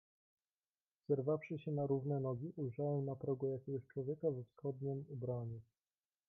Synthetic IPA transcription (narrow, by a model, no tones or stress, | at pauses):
z̥ɛɾvafʂɘɕɛnaɾuvnɛnɔɡʲiʔujʐawɛwnapɾɔɡɔjakʲɛɡɔɕt͡ʂwɔvʲjɛkavɛfsxɔd̪̚ɲɛmubɾaɲu